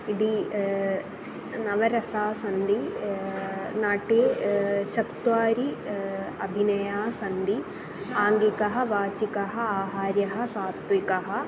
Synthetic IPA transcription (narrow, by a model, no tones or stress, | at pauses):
iɽi | nɐʋɐɾɐsaːsɐnd̪i | naːʈeːt͡ʃɐkt̪ʋaːɾi | ɐbʱinɐjaːsɐnd̪i | aːŋɡikɐɦɐ̆ʋaːt͡ʃikɐɦɐaːɦaːɾjɐɦɐ̆saːt̪ʋikɐɦɐ̆